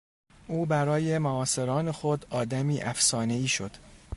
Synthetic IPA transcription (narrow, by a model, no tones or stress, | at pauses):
ʔuːbæɾɒːje̞moɒːse̞ɾɒːne̞xod̪ɒːd̪æmiːʔæfsɒːne̞iːʃo̞d̪̥